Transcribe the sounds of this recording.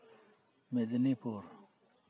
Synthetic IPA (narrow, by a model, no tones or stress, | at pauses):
med̪inipʰoɾ